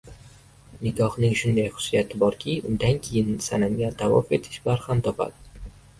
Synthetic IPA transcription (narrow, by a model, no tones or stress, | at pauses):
nɪkɒhnɪŋʃʊnd̪ajχʊ̥sijat̪ʰɪbɒɾkʲʰɪʔʊnd̪ankʲʰejɪnsananɡʲat̪ʰawɒ̰fet̪ʰɪ̥ʃbaɾhamt̪ʰɒpa̰d̪ɪ